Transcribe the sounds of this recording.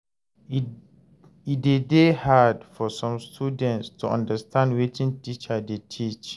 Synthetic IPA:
idedehadfɔsɔ̃mstʰudɛ̃ntstʰuʔã̰ndəstʰãndwetʰĩntit͡ʃadetʰit͡ʃ

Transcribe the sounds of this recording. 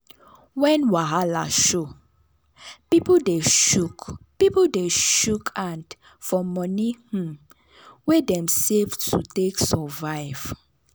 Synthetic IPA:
wɛ̃nwaɦala̰ʃo | pipodeʃukpipodeʃukʰãnd | fɔmɔnih̩ | wedɛ̃msevtʰṵteksɔvaɪv̥

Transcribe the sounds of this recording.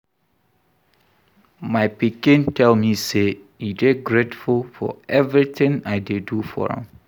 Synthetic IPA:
maɪpikɪ̃ntʰɛlmise | ideɡɹetfulfɔ̰ɛvɹitɪ̃ŋaɪdedufɔ̰ɹɛ̰̃m

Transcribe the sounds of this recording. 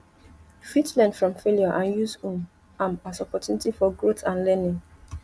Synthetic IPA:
fitlɛ̃nfɹɔ̃mfeljɔʔãnjusũn | ãmasɔpɔt͡ʃjunitifɔɡɹoθãnlɛnĩŋ

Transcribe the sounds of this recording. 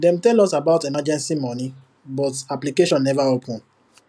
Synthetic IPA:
dɛ̃mtɛlɔsabaʊtemad͡ʒɛ̃nsimɔ̃nĩ | bɔtaplikeʃɔ̃nːɛvaopʰũn

